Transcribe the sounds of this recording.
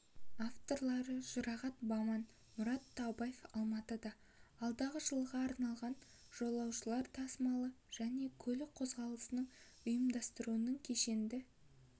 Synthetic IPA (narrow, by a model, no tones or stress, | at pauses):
aft̪o̞ɾlˠɑɾəʒʊɾɑʁɑt̪bɑmɑn | mʊɾɑt̪ʰːɑbɑjefɑlˠmɑt̪əd̪ɑː | lˠd̪ɑʁəʒəlˠʁɑːɾnɑlˠʁɑn | ʒ̥o̞lˠɑwʃəlˠɑɾt̪ʰɑsmɑlˠə | ʒ̥æne̞kʲʰɵlɪqʰo̞zʁɑlˠəsənəɴ | ʊjəmd̪ɑst̪əɾuənəŋkʲʰeʃe̞nd̪ɪ